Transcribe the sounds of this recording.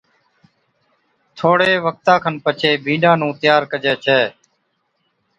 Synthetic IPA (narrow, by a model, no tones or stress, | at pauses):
t̪ʰoːɽeːʋək̚t̪aːkʰənpət͡ʃeːbʱĩːɖãːnũːt̪ɪjaːɾkəd͡ʒeːt͡ʃʰɛː